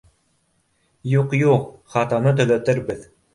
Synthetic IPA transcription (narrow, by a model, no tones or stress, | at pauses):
juqjuqχɑt̪ɑnɤt̪ɵ̆læt̪ɘɾbɘð